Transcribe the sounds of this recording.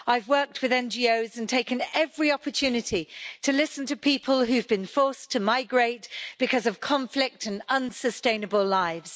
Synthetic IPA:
aɪvwɜˑ˞k̚t̚ʰwɨðɛ̃nd͡ʒioʊzə̃ntʰeɪkɨ̃nɛvɹiɒpətʰʉːnɪtʰitʰəlɪsə̃ntʰəpʰiˑpʰəlˠɦʉvbɨ̃nfɔɹstʰəmaɪɡɹeɪt̚b̥ɨkʰʌzʌv̥kʰɑ̃ɱflɪk̚tʰə̃nʌ̃nsəstẽɪ̃nəbəlˠlaɪvz̥

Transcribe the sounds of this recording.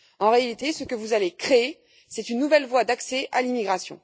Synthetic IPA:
ɑ̃ʁealit̪esəkəvuzalekχeː | sɛt̪ynːuvɛlvwad̪aksɛʔalimiɡʁasjɔ̰̃

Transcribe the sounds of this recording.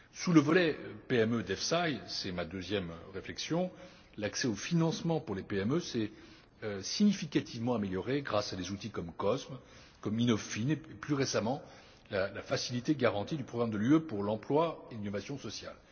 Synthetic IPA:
suləvɔlɛpeɛmød̪ɛfsajsɛmad̪øzjɛmʁeflɛksjɔ̃ | laksɛofinɑ̃smɑ̃puʁlepeɛmøsɛ | øsiɲifikat̪ʰivmɑ̃ameljɔʁeɡʁasad̪ezut̪ikɔmkɔsm | kɔminɔffineeplyʁesamɑ̃ | lalafasilit̪eɡaʁɑ̃t̪id̪ypχɔɡʁamd̪əlyøpuʁlɑ̃plwaelinɔvasjɔ̃sɔsja̰l

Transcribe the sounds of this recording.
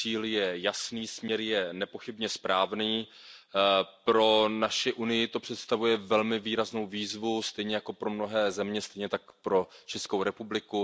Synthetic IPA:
iːljɛjasniːsmɲɛɾjɛnɛpo̞xɪbɲɛspɾʔaːvniː | pɾo̞naʃɪʔunɪjɪt̪o̞pr̥ɛt̪st̪avujɛvɛlmɪviːɾazno̞wviːzvust̪ɛjɲɛjako̞pɾo̞mno̞ɦɛːzɛmɲɛst̪ɛjɲɛt̪ak̚pɾo̞t͡ʃɛskowɾɛpublɪku

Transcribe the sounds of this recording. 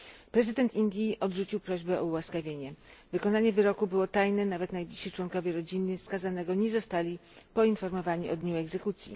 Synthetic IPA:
pɾɛzɘd̪ɛnt̪ind̪ʲjiʔɔd̪ʐut͡ɕiwpɾɔʑbɛɔuwaskavʲjeɲɛvɘkɔnaɲɛvɘɾɔkubɘwɔt̪ajnɛnavɛt̪najblʲiɕɕit͡ʂwɔnkɔvʲjeɾɔd͡ʑinːɘfskazanɛɡɔɲɛzɔst̪alʲi | pɔinfɔɾmɔvaɲiʔɔd̪ɲuɛɡzɛkut̪sʲjḭ

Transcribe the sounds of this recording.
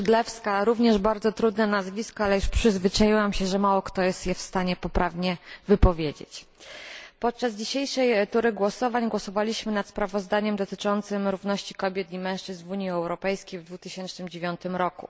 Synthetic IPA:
d̪lɛfskaɾuvɲɛʐbaɾd̪zɔt̪ɾud̪nɛnazvʲiskɔalɛjuʂpʂɘzvɘt͡ʂajiwamɕɛʐɛmawɔkt̪ɔjɛst̪jɛfst̪aɲɛpɔpɾavɲɛvɘpɔvʲjed͡ʑḛt͡ɕ | pɔt̪̚t͡ʂazd͡ʑiɕejʂɛjt̪uɾɘɡwɔsɔvaɲɡwɔsɔvalʲiɕmɘnat̪spɾavɔzd̪aɲɛmd̪ɔt̪ɘt͡ʂɔnt̪sɘmɾuvnɔɕt͡ɕi̥kɔbʲjɛt̪imɛ̃w̃ʂt͡ʂɘznvuɲjiɛwɾɔpɛjskʲejvd̪vut̪ɘɕɛnt͡ʂnɘmd͡ʑevʲjɔnt̪ɘmɾɔkṵ

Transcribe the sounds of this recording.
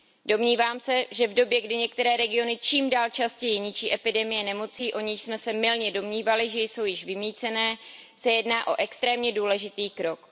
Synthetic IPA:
do̞mɲiːvaːmsɛʒɛvdo̞bjɛɡdɪɲɛk̚t̪ɛɾɛːɾɛɡɪo̞nɪt͡ʃiːmdaːlt͡ʃascɛjɪɲɪt͡ʃiːʔɛpɪdɛmɪjɛnɛmo̞t͡siːʔo̞ɲɪʃsmɛsɛmɪlɲɛdo̞mɲiːvalɪʒɛjso̞wjɪʃvɪmiːt͡sɛnɛːsɛjɛdnaːʔo̞̰ʔɛkst̪ɾɛːmɲɛduːlɛʒɪt̪iːkɾo̞k

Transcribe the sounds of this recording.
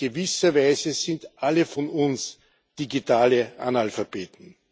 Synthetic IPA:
əvɪsɐvæɪzəzɪndʔaləfɔnʊns | d̥iɡitaːləa̰nalfab̥eːtn̩

